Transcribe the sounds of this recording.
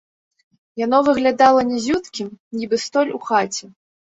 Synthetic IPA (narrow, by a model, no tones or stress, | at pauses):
janɔvɨɣlʲad̪alˠɐnʲɛzʲut̪kʲimnʲibɨst̪ɔlʲuxat͡sʲɛ